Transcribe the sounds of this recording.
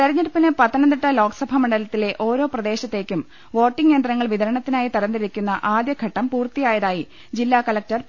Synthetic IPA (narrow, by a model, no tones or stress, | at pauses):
t̪ɐɾiɲːɐɾpːinɨpɐt̪ːɐnɐnd̪iʈːɐlo̞ːksɐbʱɐmɐɳɖɐlɐt̪ːile̞ʔo̞ːɾo̞ːprɐd̪e̞ːɕɐt̪ːe̞ːkʲːum | ʋo̞ːʈːiŋːe̞ːnd̪rɐŋːɐɭʋid̪ɐɾɐɳɐt̪ːinaːjit̪ɐrɐnd̪iɾikʲːunːɐʔaːd̪jɐɡʱɐʈːɐmpuːrt̪ijaːjɐðaːji | d͡ʑilːaːkɐlɐk̚tɐr